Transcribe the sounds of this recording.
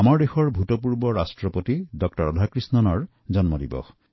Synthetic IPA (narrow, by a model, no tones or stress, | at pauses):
amɔɹdexɔɹbʱutɔpuɹbɔɹasʈɹɔpotidɔk̚tɔɹɔd̪ʱakɹisnɔnɔɹ | d͡ʒɔnmɔdibɔ̰